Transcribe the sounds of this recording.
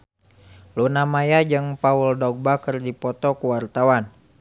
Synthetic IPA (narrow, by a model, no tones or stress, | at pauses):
lunamajad͡ʒɨŋpauldɔɡ̚bakərdipɔt̪ɔkuwart̪awan